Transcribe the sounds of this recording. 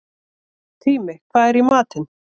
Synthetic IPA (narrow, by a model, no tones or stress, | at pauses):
t̪ʰiːmɪkʰvaːðɛɾimaːt̪ɪn